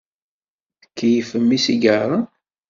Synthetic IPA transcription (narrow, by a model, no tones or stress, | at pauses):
əkːjifəmːisiɡəɾˤɑ